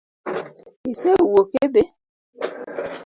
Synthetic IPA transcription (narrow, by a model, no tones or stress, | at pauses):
iseuwokede